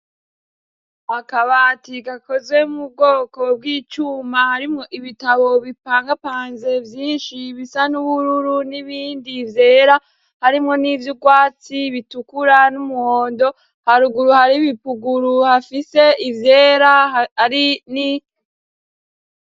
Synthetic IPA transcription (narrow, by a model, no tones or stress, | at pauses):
akaβatiɡako̞zɡwe̞umub̚ɡo̞ːko̞b̚ɡiːt͡ʃumahaɾimŋo̞ʔiβitaβo̞βipaːŋɡapaːnze̞vjiːnʃiβisanuβuɾuɾuniβiːndivje̞ːɾa | haɾimŋo̞nivjuɡwaːt͡siβitukuɾanumuho̞ːndo̞ | haɾuɡuɾuhaɾiβipuɡuɾuhafise̞ʔivjeːɾaaɾini